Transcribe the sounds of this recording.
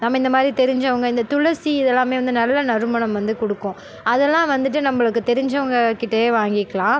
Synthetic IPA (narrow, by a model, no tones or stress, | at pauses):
nɐmːɐɪnd̪ɐmaːd̪ɾit̪ɛɾɪɲd͡ʒɐʋɐŋɡɐɪnd̪ɐt̪ʊɻɐsiɪðɛlːaːmeːʋɐnd̪ɯnɐlːɐnɐɾɯmɐɳɐmʋɐnd̪ɯkɔɽɯkːʊ̃ | ɐðɛlːãːʋɐnd̪ɯʈ̬ːɯnɐmːɐɭɯkːɯt̪ɛɾɪɲd͡ʒɐʋɐŋɡɐkɪʈːɐeːʋaːŋɡɪkːɐɭãː